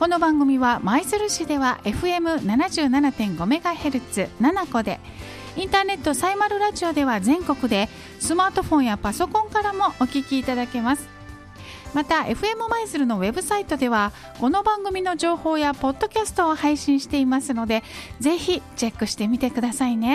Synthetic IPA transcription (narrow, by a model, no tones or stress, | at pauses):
ko̞no̞bãŋɡɯ̟mʲiβamaizɨɾɯ̟ɕid̪e̞βaʔe̞ɸɯ̟e̞mɯ̟nanaʑɨːnanat̪ẽ̞ŋɡo̞me̞ɡahe̞ɾɯ̟t͡sɨnanako̞d̪e̞ | ĩnt̪aːne̞t̪ːo̞saimaɾɯ̟ɾaʑio̞d̪e̞βazẽ̞ŋko̞kɯ̟d̪e̞ | sɨmaːt̪o̞ɸõ̞ɰ̃japaso̞kõ̞ŋkaɾamo̞ʔokʲikʲiːt̪ad̪ake̞masɨ̥ | mat̪ae̞ɸɯ̟e̞mɯ̟maizɨɾɯ̟no̞βe̞bɯ̟sait̪o̞d̪e̞βa | ko̞no̞bãŋɡɯ̟mʲino̞ʑo̞ːho̞ːjapo̞d̪ːo̞kʲasɨ̥t̪o̞ːhaiɕĩɰ̃ɕi̥t̪e̞imasɨno̞d̪e̞ze̞çit͡ɕe̞kːɯ̟ɕi̥t̪e̞mʲit̪e̞kɯd̪asaine̞